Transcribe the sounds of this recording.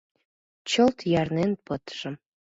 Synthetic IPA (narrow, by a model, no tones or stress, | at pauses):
t͡ɕə̆lt̪jɑrnenpɤ̆t̪ʒ̥ə̆m